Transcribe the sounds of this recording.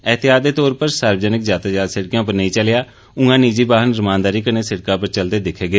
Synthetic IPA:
ɛːt̪ʰeaːd̪eːt̪ɔːɾpəɾsəɾbəd͡ʒənɪkzjaːt̪aːd͡ʒaːd̪sɪɽkjãːp̬əɾnəĩːt͡ʃəlɪjaː | ʊ̃ŋɡãːniːd͡ʒiːbaːɦənɾəmãːnd̪aːɾiːkəneːsɪɽkãːpəɾt͡ʃəld̪eːd̪ɪkʰːeːɡeː

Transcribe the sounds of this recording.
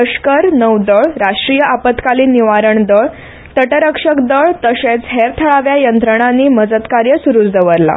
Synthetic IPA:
əɕkəɾnəwd̪əɭɾaʂʈɾijəʔapət̪kaliːnːiʋaɾəɳd̪əɭ | t̪əʈəɾəkʂəkd̪əɭt̪əɕẽt͡sɦeɾt̪ʰəɭaʋjajənt̪ɾəɳ̃ãnːiːməd͡zət̪kaɾjəsuɾuːt͡sd̪əʋəɾla̰

